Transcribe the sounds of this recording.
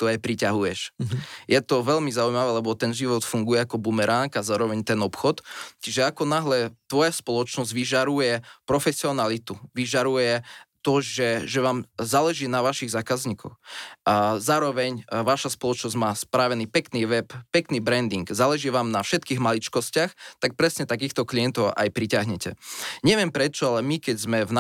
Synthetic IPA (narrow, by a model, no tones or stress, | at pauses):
t̪uajpɾicaɦujɛʃjɛt̪ɔʋɛlmizaujmaʋɛːlɛbɔt̪ɛnʒiʋɔt̪fuŋɡujɛakɔbumɛɾaŋɡazaːɾɔʋɛɲt̪ɛnɔpxɔt̪t͡ʃiʒɛakɔnaɦlɛt̪ʋɔjaspɔlɔt͡ʃnɔzɟʋiʒaɾujɛpɾɔfɛsiɔnalit̪uʋiʒaɾujɛt̪ɔʒɛʒɛʋaːmzaːlɛʒiːnaʋaʃiɣzaːkazɲiːkɔ̰x | zaːɾɔʋɛɲʋaːʃaspɔlɔt͡ʃnɔzɟmaːspɾaːʋɛniːpɛkniːʋɛppɛkniːbɾɛnd̪iŋɡzaːlɛʒiːʋaːmnafʃɛt̪kiːɣmalit͡ʃkɔscɪaxt̪ak̚pɾɛsɲɛt̪ak̬iːxt̪ɔkliɛnt̪ɔʊa̰jpɾicaɦɲɛcɛ̰ɲɛʋɪɛmpɾɛt͡ʃɔalɛmikɛɟzmɛvna